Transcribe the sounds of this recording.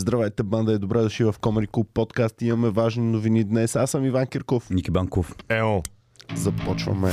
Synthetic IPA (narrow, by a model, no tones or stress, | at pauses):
zd̪ɾavajt̪ɛband̪ɐɛd̪obɾɛd̪ʊʃivɐfkɔmɛɾiklupːɔt̪kast̪imɐmɛvaʒninʊvinid̪nɛsasəmivankʲɛɾkofnʲikʲibaŋkofɛɔ | zɐpɔt͡ʃvɐ̰mɛ